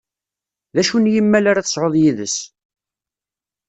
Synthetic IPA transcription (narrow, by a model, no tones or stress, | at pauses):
ðæʃunjimːælaɾaθəsˤʕoðˤjiðəs